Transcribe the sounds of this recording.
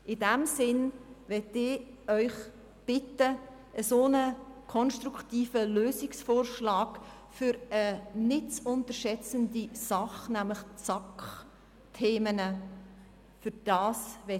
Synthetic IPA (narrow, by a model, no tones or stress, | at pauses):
ʔɪdæmsɪnʋɛtɪœʏχ | b̥ɪtə | əsoːnəkʰɔnʃtɾuktiːfəløːsɪksfoːɾʃlɑːk | fʏɾənɪtt͡sʊntəʃɛt͡səndisɑχnæmləχt͡sɑkχ | tʰeːmənə | fʏɾd̥ɑːsʋɛ